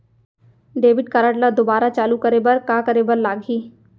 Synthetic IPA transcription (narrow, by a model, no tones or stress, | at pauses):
ɖeːbɪʈ̚kaːɾaʈləd̪obaːɾat͡ʃaːlukɐɾeːbəɾkaːkəɾebəɾlaːɡʱiː